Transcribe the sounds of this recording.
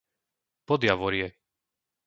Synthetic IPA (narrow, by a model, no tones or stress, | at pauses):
pɔd̪jaʋɔɾjɛ